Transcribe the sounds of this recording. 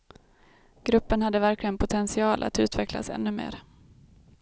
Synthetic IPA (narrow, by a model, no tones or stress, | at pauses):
ɡ̥ɾɵpːənhad̪ːəvæɾklɪɡənpʰʊt̪ʰɛnsɪɑːlʔa̰t̪ʉ̟ːt̪vɛkla̰sɛ̰nːɵmḛːɾ